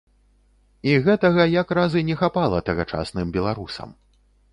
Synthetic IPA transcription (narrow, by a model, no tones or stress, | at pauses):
iɣɛt̪ɐɣɐjakɾazɨnʲɛxapalˠɐt̪ɐɣɐt͡ʂa̰snɨmbʲɛlˠaɾusɐ̰m